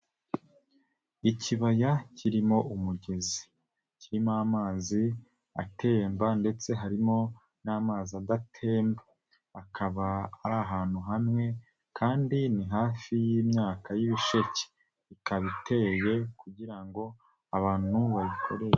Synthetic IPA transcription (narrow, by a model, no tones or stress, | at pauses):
icʰiβajacʰiɾimo̞ʔumuɟe̞zi̥ | ciɾimoamaːzi | a̰tʰe̞ːmbande̞t͡se̞ɦaɾimo̞ | naːmaːziadatʰe̞ːmba | akʰaβaːɾaɦaːn̥huɦamŋe̞ | kʰaːndiniɦaːfijiːmɲaːkajiβiʃece̥ | ikaβitʰe̞je̞kuɟiɾaŋɡo̞ | aβaːn̥huβaβikʰo̞̰ɾee